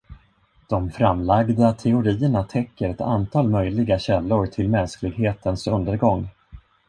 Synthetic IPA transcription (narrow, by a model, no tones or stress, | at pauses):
d̪̥ɔmfɾamlaɡd̪at̪ʰɛʊɾiːəɳat̪ʰɛkːəɾɛt̪ʰa̰nt̪ʰɑːlmœjlɪɡaɕɛlːʊɾʈ̪ʰɪlmɛnsklɪɡɦeːt̪ʰənsɵnd̪əɾɡɔŋː